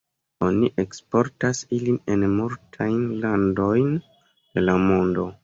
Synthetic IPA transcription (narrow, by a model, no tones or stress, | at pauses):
o̞niʔekspo̞ɾtasilinenmultʰajnlando̞jn | d̥e̞lamo̞ndo̞